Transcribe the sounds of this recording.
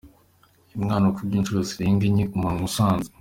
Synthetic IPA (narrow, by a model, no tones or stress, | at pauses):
imŋaːnokubɟiːnt͡ʃuɾosiɾiːŋɡiɲikumaŋusaːnzi̥